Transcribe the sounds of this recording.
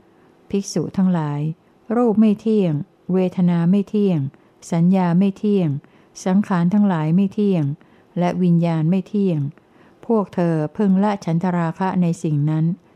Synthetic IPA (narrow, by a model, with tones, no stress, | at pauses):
pʰi˦˥k̚suː˨˩t̪ʰa˦˥ŋlaː˩˦j | ɾuː˥˩p̚ma˥˩jt̪ʰi˥˩əŋ | weː˧t̪ʰa˧naː˧ma˥˩jt̪ʰi˥˩əŋ | sa˩˦njaː˧ma˥˩jt̪ʰi˥˩əŋ | sa˩˦ŋkʰaː˩˦nt̪ʰa˦˥ŋlaː˩˦jma˥˩jt̪ʰi˥˩əŋ | lɛ˦˥wi˧njaː˧nma˥˩jt̪ʰi˥˩əŋ | pʰu˥˩ək̚t̪ʰɤː˧pʰɯ˥˩ŋla˦˥t͡ɕʰa˩˦nt̪ʰa˧ɾaː˧kʰa˦˥na˧jsi˨˩ŋna˦˥n